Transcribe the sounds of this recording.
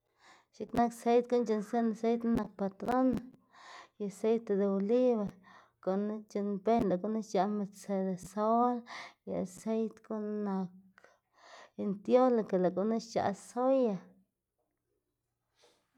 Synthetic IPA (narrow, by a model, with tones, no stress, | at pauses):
ʃi˦kna˦kse˦jt̪̚ko˦nt͡ʃe˧nse˦na˨se˦jt̪na˦na˨k̚pa˨t̪ɾo˦n | ja˨a˨se˦jt̪e˧d̪e˨o˧li˦βe˨ɾ | ko˨na˦t͡ʃe˧nbe˦nla˨ko˦na˦ʃt͡ʃa˧me˧se˧˨d̪e˨so˦lja˨se˦jt̪ko˦nna˨˧k | i˧nt̪jo˦la˨ka˨la˨ko˨na˦ʃt͡ʃa̰˨so˦ja˨